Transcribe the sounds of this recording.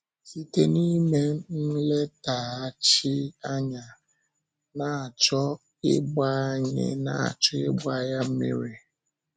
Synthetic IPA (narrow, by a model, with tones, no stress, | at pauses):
si˦te˦ni˦me˦n̩˦le˦ta˨a˦t͡ʃi˦a˦ɲa˨ | na˨a˨t͡ʃɔ˦ | ɪ˦ɡ͡ba˦ɲɪ̰˨na̰˦˨a̰˨t͡ʃɔ˦e˦ɡ͡ba˦ja˦m̩˦mḭ˦ɾe˨